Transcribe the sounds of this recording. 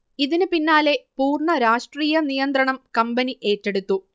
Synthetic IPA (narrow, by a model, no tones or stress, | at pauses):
iðinɨpinːaːle̞puːrɳɐɾaːʂʈriːjɐnijɐnd̪ɾɐɳɐmkɐmbɐniʔe̞ːtːe̞ɽut̪ːu